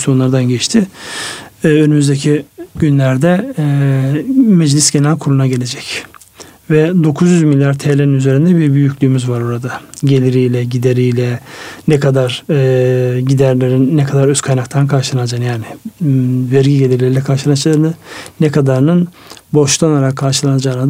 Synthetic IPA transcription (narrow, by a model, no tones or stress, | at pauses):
sjonlˠaɾd̪anɟɛt͡ʃt̪ʰɪ | ønymyzd̪ecʰiɟynlʲæɾd̪ɛ | mɛd͡ʒlʲisɟe̞nælʲkʰuɾunaɟe̞lʲe̞d͡ʒɛc | vɛd̪o̞kʰuzjyzmilʲjaɾt̪ʰeːlʲeinyze̞ɾind̪ɛbiɾbyjycʰʲlʲyːmyzvaɾoɾad̪aɟe̞lʲiɾijlʲɛɟid̪eɾijlʲɛnɛkʰad̪aɾ | ɟid̪æɾlʲeɾinːɛkʰad̪aɾøskʰajnakt̪ʰankʰaɾʃɯlˠanad͡ʒanjaːnɪ | væɾɟiɟelʲiɾlʲeɾilʲɛkʰaɾʃɯlˠanat͡ʃlˠaɾɯnanɛkʰad̪aɾnɯn | bo̞ʃt̪ʰˠanaɾakʰːaɾʃɯlˠanad͡ʒaːna